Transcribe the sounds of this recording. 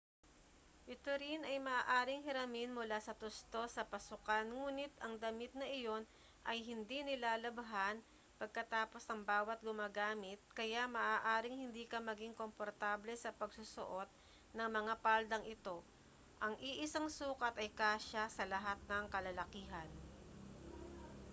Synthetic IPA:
ʔɪt̪oɾinʔɐjmɐʔaːʔaːɾɪŋhɪɾɐmɪnmʊlasɐt̪ʊst̪o̞sɐpɐsʊkanŋuːnɪt̪ɐŋd̪ɐmɪt̪̚nɐʔɪjo̞n | ʔɐjɦɪnd̪inɪlaːlɐbɐɦan | pɐɡ̚kɐt̪aːpo̞snɐŋbaːwɐt̪̚ɡʊmaːɡaːmɪt̪̚kɐjamɐːʔaːʔaːɾɪŋhɪnd̪iːkɐmɐɡiŋko̞mpoɾt̪aːblɛsɐpɐɡsʊso̰ʔo̞t̪̚ | nɐŋmɐŋapald̪ɐŋʔɪt̪o̞ | ʔɐŋʔiʔɪsaŋsuːkɐt̪ɐjkaːʃasɐlɐɦat̪̚nɐŋkɐlɐlɐkiːɦɐn

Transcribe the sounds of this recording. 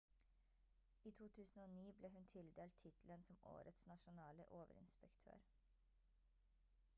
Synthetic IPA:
iːt̪ʰuːt̪ʰʉːsn̩oːniːbleːɦʉnt̪ʰɪld̪eːlt̪ʰːɪt̪l̩ənsɔmo̰ːɾət̪snɑʃʊnɑːlə̰ʔoːʋə̰ɾɪ̰nspəkt̪ʰø̰ːɾ

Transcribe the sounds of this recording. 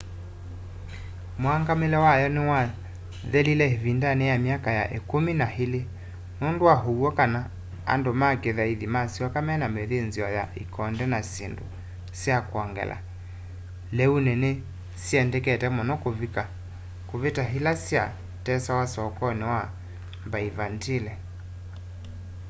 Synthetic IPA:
moaŋɡamelɛwajɔnewa | ðɛlilɛeβindanejamiakajaʔekominahele | nondowaɦowɔkana | a̰ndomakeðaiðimasiɔkamɛnameðenziɔjaʔikɔndɛnasḛndo̰ | sjakwɔŋɡɛ̰lʔa̰ | lɛunene | siɛndɛkɛtɛmɔnɔkoka | koβetaɦilasja̰ | tɛsawasɔkɔnewa | mbaivantilɛ

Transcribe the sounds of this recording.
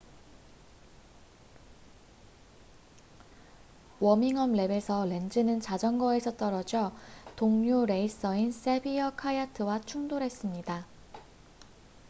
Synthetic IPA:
wʌmiŋʌmle̞be̞sʰʌle̞nd͡ʑɯnɯnt͡ɕad͡ʑʌŋɡʌe̞sʰʌt͈ʌɾʌd͡ʑʌtoŋɲoɾe̞is͈ʌins͈ebiʌkʰajatʰɯwat͡ɕʰuŋdoɾɦe̞s͈ɯmɲida

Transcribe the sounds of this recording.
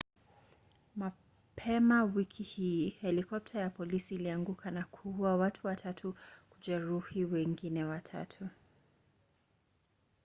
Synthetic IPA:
ma | pʰɛmawikʰihiːhɛlikɔp̚tʰajapɔlisiːliaŋɡukʰanakʰuwawatʰuwatʰatʰukud͡ʒɛɾuhiwɛŋɡinɛwatʰa̰tʰu

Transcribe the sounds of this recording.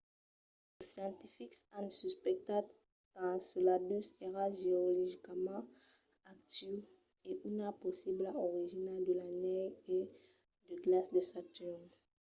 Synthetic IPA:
esjɑ̃t̪ifiksãnsyspɛk̚t̪at | tãsəlabyseʁaʒeoliʒikamɑ̃ | ak̚t̪y | eʔynapɔsiblaoʁiʒinald̪əlanɛje | d̪əɡlasd̪əsat̪yʁ

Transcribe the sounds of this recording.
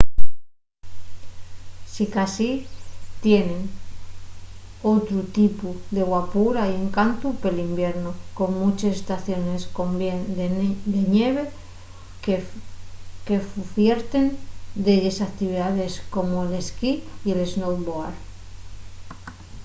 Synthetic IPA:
sikasit̪je̞nẽ̞n | o̞t̪ɾut̪ipuðe̞ɣwapuɾaie̞ŋkant̪upelimbje̞ɾnuko̞ŋmut͡ʃesest̪aθjo̞ne̞skome | d̪e̞neβ̞e̞ | ke̞ffje̞ɾt̪e̞nd̪eʎesakt̪iβ̞iðaðe̞sko̞moele̞skiieleznow̪βoaɾ

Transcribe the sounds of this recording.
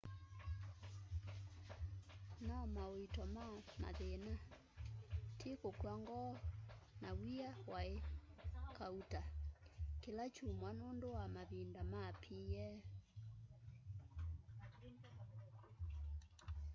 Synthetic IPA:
namaoitɔmama̰ðena | tʰikokwaŋɡɔnawiawae | kauta | kelat͡ʃumwanondowamaβindamapʰijɛ

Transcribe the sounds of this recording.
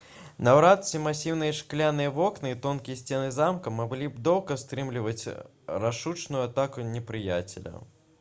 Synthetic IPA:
nawɾat̪sʲimasʲiwnɨjɐʂklʲanɨjɐvɔknɨit̪ɔnkʲijɐsʲt͡sʲɛnɨzamkɐmaɡlʲibd̪ɔwˠkɐst̪ɾɨmlʲivɐt͡sʲ | raʂut͡ʂnʊjʊat̪akunʲɛpɾɨjat͡sʲḛlʲɐ̰

